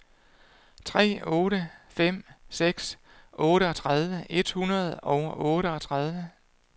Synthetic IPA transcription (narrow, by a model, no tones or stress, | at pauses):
t͡sʰʁɛ̰ːɔ̽ːɾəfem̰seɡ̥s | ʔɔːɾəɒ̽t͡sʰʁað̞ˠʋəʔe̝d̥hunɐð̞̩ˠɒ̽ʊʔɔ̽ːɾəɒ̽t͡sʰʁað̞ˠʋə